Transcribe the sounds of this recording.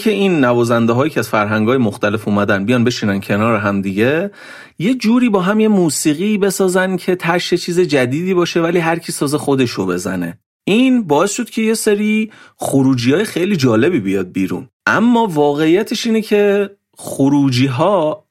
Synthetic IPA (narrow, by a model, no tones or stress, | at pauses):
cʰe̞iːnːævɒːzænd̪eɦɒːjiːcʰɛæzfæɾɦæŋɡɒːjemoxt̪æle̞fuːmæd̪ænbijɒːnbe̞ʃiːnæncʰenɒːɾeɦæmd̪iɟe̞ | je̞d͡ʒuːɾiːbɒːɦæmje̞muːsiːɣiːbe̞sɒːzæncʰe̞t̪ʰæɾʃet͡ʃʰiːze̞d͡ʒæd̪iːd̪iːbɒːʃe̞væliːɦæɾcʰiːsɒːzexo̞d̪e̞ʃobe̞zæ̰ne̞̰ | ʔiːnbɒːe̞sʃo̞d̪̥cʰe̞je̞seɾiːxoɾuːd͡ʒiːhɒːjexejliːd͡ʒɒːle̞biːbijɒːd̪̚biːɾṵnʔæmːɒːvɒːɣe̞ijæt̪ʰeʃiːnecʰe̞ | xoɾuːd͡ʒiːɦɒː